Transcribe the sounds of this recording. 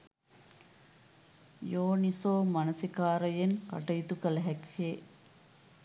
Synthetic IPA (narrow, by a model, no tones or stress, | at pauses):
joːnisoːmanɐsikaːɾəjeŋka̰ʈəjit̪ukələɦɛkheː